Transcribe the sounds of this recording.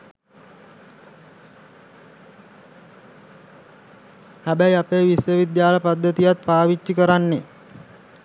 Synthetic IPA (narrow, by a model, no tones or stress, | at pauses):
hæbæjapeːʋisjəʋid̪jaːləpad̪ːət̪ijat̪̚paːʋit͡ʃːikəɾanːe